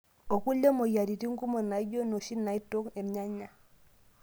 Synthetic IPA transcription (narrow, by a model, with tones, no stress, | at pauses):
o˨ku˦lo˦mo˨ja˨di˨ti˦ŋ̩˦ku˦mo˨na˨i˦d͡ʒo˦no˨ʃi˦na˨i˦to˦kne˨m˨ɲa˦ɲa˨